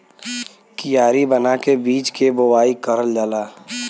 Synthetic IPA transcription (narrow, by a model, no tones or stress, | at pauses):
kijaːɾibənakebiːt͡ʃkebowaːikəɾəld͡ʒəlaː